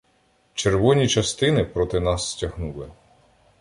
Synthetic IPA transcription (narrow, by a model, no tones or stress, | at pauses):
t͡ʃerʋɔnʲit͡ʃɐst̪ɪnɪpɾɔt̪ɪnɑsːtʲɐɦnulˠɪ